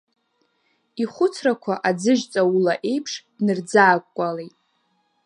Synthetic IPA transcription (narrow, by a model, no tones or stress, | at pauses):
iχʷʊt͡sʰrakʷʰaʔad͡zɨʒt͡sʼaulaʔe̞jpʰʂd̥nɨrd͡zaːkʷʼkʷʼale̞jtʼ